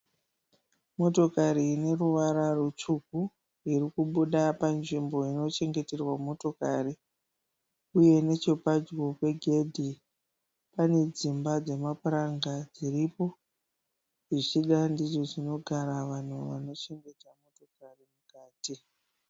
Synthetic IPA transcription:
mo̞to̞kaɾiːne̞ruʋaɾarut͡ʂuku | iɾikuɓuɗapanʐimbo̞ino̞t͡ʃe̞ŋɡe̞te̞rwamo̞to̞kari | uje̞ne̞t͡ʃopad͡ʒɡo̞kwe̞ɡʱe̞dʱi | pane̞d͡zimbad͡ze̞mapuraŋɡad͡ziripo̞ | ʐiʂiɗandiʐoʐino̞ɡʱaɾaʋan̤uʋa̰no̞t͡ʃe̞ŋɡe̞tamo̞to̞karimukaːti

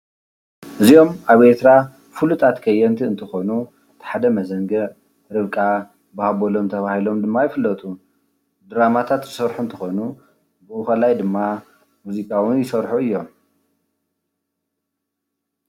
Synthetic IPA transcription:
ʔɨzio̞maβet̪ɾa | fulut̪ʰat̪kʰɐjːɛnt̪ʰiɨnt̪ʰɨxo̞nu | t̪ʰħad̪ɐmɐzɐŋɡɐʔ | ɾɨβkʼa | bahaβolo̞mt̪ʰɐβahilo̞md̪ɨmːajɪfɨlːɐt̪ʰu | d̪ɨɾamat̪ʰat̪zɪsɐɾħunt̪ʰɨxo̞nu | bɨʔɨxɐlajd̪ɨmːa | muzikʼawɨnjɪsɐɾħuɨjːo̞m

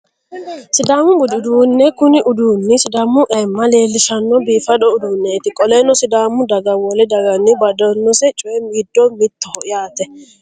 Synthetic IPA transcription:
sɪd̪aːmʊɡʊd̪ɪʊd̪uːnːɛkʊnɪʔʊd̪uːnːɪsɪd̪aːmːʊʔɛmːɐle̞ːlːɪʃɐnːɔbiːfɐdɔʊd̪uːnːɛt̪ɪkʼɔlɛnɔsɪd̪aːmʊd̪ɐɡɐwɔlɛd̪ɐɡɐnːɪbɐd̪ɔnːɔsɛt͡ʃʼʊjɛmiːd̪ːɔmɪt̪ːɔhɔʔɪjaːt̪ɛ

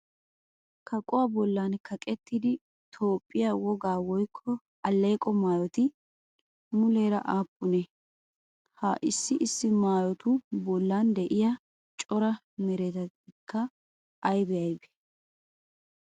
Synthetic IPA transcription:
kʰɐkʼʊwabɔlːankʰɐkʼɛt̪ːɪd̪ɪ | t̪ʰo̞ːpʼːɪjawɔɡaːwɔjkʰːɔ | ɐlːeːkʼɔmaːjɔt̪ɪ | mʊleːɾɐʔaːpʼːʊnɛ | ha̰ːʔɪsːɪʔɪsːɪmaːjɔt̪ʊbɔlːand̪ɛʔɪjɐ | t͡ʃʼɔɾɐ | mɛɾɛt̪ɐ | ɪkʰːɐ | ʔːjbɛjɐjbɛ̥

